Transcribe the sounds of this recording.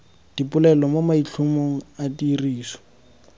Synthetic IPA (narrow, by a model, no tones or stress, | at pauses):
d̥ipʊlɛlɔmomaiɬʰumoŋ̩adiriːsɔ̥